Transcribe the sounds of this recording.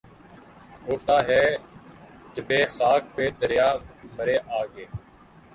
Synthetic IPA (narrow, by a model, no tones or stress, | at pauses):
ɡoːft̪aːɦɛː | d͡ʒəbeːxaːk̚peːd̪əɾjaːməɾeːʔaːɡeː